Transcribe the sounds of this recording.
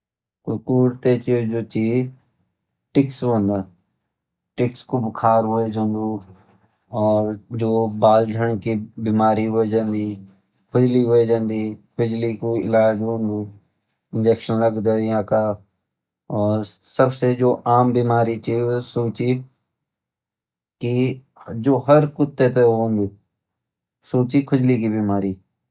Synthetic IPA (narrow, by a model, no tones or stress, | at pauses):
kʊkuːɾt̪et͡ʃid͡ʒoːt͡ʃiː | ʈɪksond̪aː | ʈɪkskobkʰaːɾɦʊed͡ʒõnd̪uː | ɔːɾd͡ʒoːbaːld͡ʒʱəɳ̃kibiːmaːɾiɦoed͡ʒãːnd̪iː | pɪd͡ʒliɦoed͡ʒãːnd̪iː | bɪd͡ʒlikoɪ̰laːd͡ʒɦʊ̃nd̪uː | ɪ̃nd͡ʒɛːkʃənləɡd̪aːãːkaː | ɔːɾsəbsed͡ʒoːʔaːmbiːmaːɾiːt͡ʃisoːt͡ʃiː | ki | d͡ʒoːɦəɾkʊt̪ːet̪eoɦõnd̪uː | soːt͡ʃiːkʰʊd͡ʒlikibiːmaːɾiː